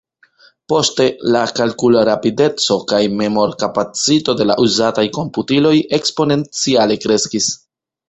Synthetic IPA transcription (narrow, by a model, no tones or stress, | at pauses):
po̞ste̞lakalkulaɾapide̞t͡so̞kajme̞mo̞ɾkapat͡sito̞de̞la̰ʔuzatajko̞mputilo̞je̞kspo̞ne̞nt͡siale̞kɾe̞skis